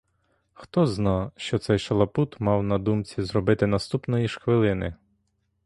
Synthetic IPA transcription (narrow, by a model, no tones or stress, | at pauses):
xt̪ɔznɑʃt͡ʃɔt̪sɛjʃɐlˠɐput̪mɑwnɐd̪umt͡sʲizrɔbɪt̪ɪnɐst̪upnɔjiʃxʋɪlˠɪnɪ